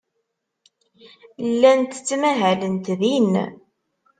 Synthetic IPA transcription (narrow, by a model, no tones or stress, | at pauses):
lːænt̪t͡sːmæɦælənt̪ðin